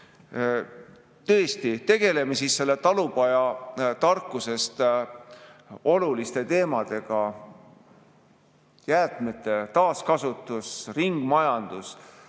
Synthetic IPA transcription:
t̪ɤ̞est̪it̪e̞ɡ̥e̞le̞mesiːsse̞lːe̞t̪ɑlupɑjɑt̪ɑrkˑːuse̞st̪ | o̞lulist̪e̞t̪e̞ːmɑd̪̥e̞ɡ̥ɑ | jæːt̪me̞t̪ːˑe̞t̪ɑːskɑsut̪ːˑusriŋɡ̥mɑjɑnd̪̥us

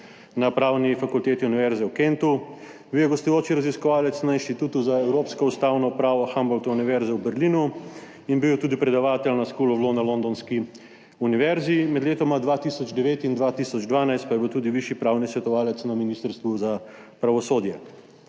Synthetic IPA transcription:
napɾaːwnifakult̪eːt̪iuniʋɛɾzɛwkent̪u | biwjɛɡɔst̪ɔjoːt͡ʃiɾaziskɔʋaːlɛt̪snainʃt̪it̪uːt̪uzaɛwɾoːpskɔust̪awnɔpɾaːʋɔxambɔlt̪ɔuniʋɛɾzɛwbɛɾlinu | inbiwt̪uːd̪ipɾɛd̪aʋaːt̪ɛlnaskuːlɔʋloːnalond̪ɔnski | uniʋɛɾzimɛd̪leːt̪ɔmad̪ʋat̪isɔd͡ʒd̪ɛʋeːt̪ind̪ʋaːt̪isɔd͡ʒd̪ʋaːnajst̪̚pajɛbiwt̪uːd̪iʋiʃipɾaːwnisʋɛt̪ɔʋaːlɛt̪snaminiːst̪əɾst̪ʋuza | pɾaʋɔsoːd̪jɛ

